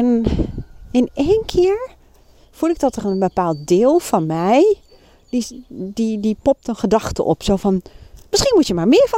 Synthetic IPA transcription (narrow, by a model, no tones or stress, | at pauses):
ɛn | ɪnejnkʰɪːɹ | fulˠɪɡ̚dɔtərənbəpaːlˠt̚dɪːlˠfɔnmɛj | dididipɔp̚tənxədɑχtə̰ʔɔ̰psowfɔnmɪsχinmutjəmaːɹmɪəɹf